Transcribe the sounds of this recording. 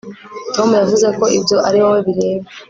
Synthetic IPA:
to̞mujavuze̞ko̞ʔibɟo̞ʔaɾiwoweβiɾe̞ːβe

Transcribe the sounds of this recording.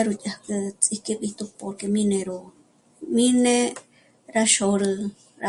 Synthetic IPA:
aɾut͡ʃahkɨt͡sʼihkeɓit̪upokemĩnẽɾu | mĩne | ɾaʃoɾɨ | ɾa

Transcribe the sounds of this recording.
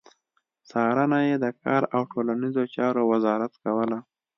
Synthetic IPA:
sɑɾənajed̪əkɑɾawʈʰolanizot͡ʃɑɾowazɑɾat̪kawəla

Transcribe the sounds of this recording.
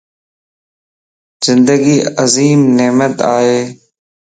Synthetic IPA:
z̥ɪnd̪əɡiːəziːmneːmət̪aːɦeː

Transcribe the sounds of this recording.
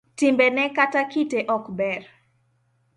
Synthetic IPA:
timbɛnɛkatakiteʔɔkbɛr

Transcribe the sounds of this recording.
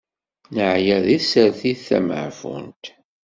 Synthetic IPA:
nəʕjæðisəɾθiθæ̰mə̰ʕfṵnt̪

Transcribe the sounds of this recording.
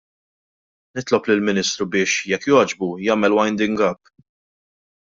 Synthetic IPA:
nɪt̪lɔplɪlmɪnɪːst̪ɾubɪːʃjɛkːjɔːd͡ʒbujɐːmɛlwɐjnd̪ɪŋɡɐpː

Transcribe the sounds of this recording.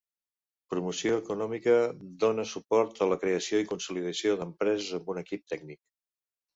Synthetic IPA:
pɾumusioəkunɔmikəd̪onəsupɔɾt̪ələkɾeəsioikunsuliðəsioðəmpɾɛzəzəmbunəkip̚t̪ɛɡ̚nik

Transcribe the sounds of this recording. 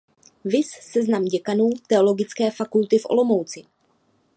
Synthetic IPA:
vɪsːɛznamɟɛkanuːt̪ɛo̞lo̞ɡɪt͡skɛːfakult̪ɪfʔo̰lo̞mowt͡sɪ

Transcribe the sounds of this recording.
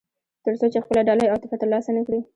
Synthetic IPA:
t̪əɾsot͡ʃexpəlaɖɑləjɑt̪ɪfat̪alɑsanəkɽi

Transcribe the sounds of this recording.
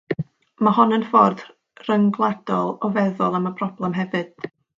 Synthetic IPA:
mahɔnənfɔrd | rəŋɡlˠad̥ɔlˠɔvɛðɔlˠaməpʰrɔblˠɛmɦɛvɨd̥

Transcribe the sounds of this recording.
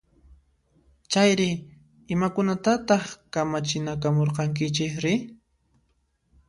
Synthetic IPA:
t͡ʃajɾɪ | ɪmakʊnat̪at̪ɑχkamat͡ʃɪnakamoɾqɑŋk̬ɪt͡ʃɪkɾɪ

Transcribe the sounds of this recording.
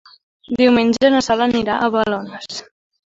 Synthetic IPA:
d̪iwmenʲd͡ʒəːnəsaləniɾaʔəβəlonəs

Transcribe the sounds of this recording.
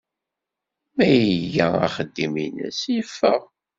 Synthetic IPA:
mæjəʝææ̰χəd̪ːiminə̰sjəfːə̰ʁ

